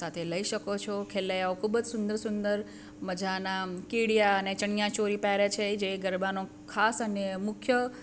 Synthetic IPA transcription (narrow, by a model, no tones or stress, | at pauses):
at̪ʰeləiʃəkot͡ʃʰokʰelːajaokʰubəd͡ʒsʊnd̪əɾsʊnd̪əɾ | məd͡ʒanakiɽjaənet͡ʃəɳijãt͡ʃoɾipaɾet͡ʃʰed͡ʒeɡəɾbano | kʰasənemʊkʰjə